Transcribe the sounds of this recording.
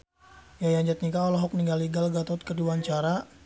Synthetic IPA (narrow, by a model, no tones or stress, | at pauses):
jajaɲd͡ʒat̪̚nikaɔlɔɦɔk̚niŋɡaliɡalɡat̪ɔt̪̚kəduwaɲt͡ʃaɾa